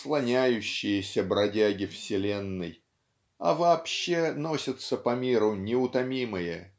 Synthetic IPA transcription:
slˠɐnʲæjʉɕːɪjəsʲəbɾɐdʲæɡʲɪfsʲɪlʲenːɨj | ɐ̰vɐːpɕːe̞no̞sʲət̪səpɐmʲiɾʊnʲɪʊt̪ɐmʲimɨjə

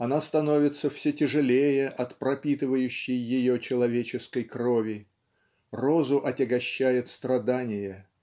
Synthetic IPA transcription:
ɐnast̪ɐno̞vʲɪt̪səfsʲetʲɪʐɨlʲejəʔɐt̪pɾɐpʲit̪ɨvəjʉɕːɪjːɪjot͡ɕɪlˠɐvʲet͡ɕɪskəjkrovʲɪ | rozʊʔɐtʲɪɡɐɕːæjɪt̪st̪ɾɐd̪anʲɪjə

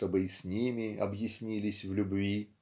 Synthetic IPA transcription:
t̪obɨsʲnʲimʲɪɐ̰bjɪsʲnʲilʲɪsʲvlʲʊbvʲi

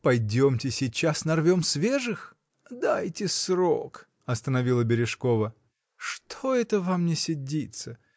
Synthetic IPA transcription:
pɐjdʲomtʲɪsʲɪt͡ɕasnɐrvʲo̞msvʲeʐɨx | d̪ajtʲɪsɾo̰k | ɐst̪ənɐvʲilˠəbʲɪɾʲɪʂko̞və | ʂt̪ʰo̞ɛt̪əvamnʲɪsʲɪdʲit̪sə

